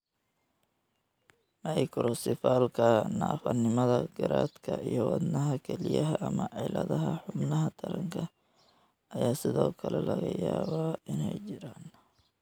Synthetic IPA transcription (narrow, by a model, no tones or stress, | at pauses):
mɐjkʰɾɔsɪfaːlkʰɐnaːfɐnɪmɐðɐɡ̥ɐɾaːd̪kʰɐʔijɔwɑd̪nɐɦɐkʰɛlɪjɐɦɐʔɐmɐʕɛjlɐðɐɦɐħʊbnɐɦɐt̪ʰɐɾɐŋkʰɐ | ʔɐjaːsɪðɔːkʰɐlɛlɐɣɐjaːβaɪnɛjt͡ʃɪɾaːn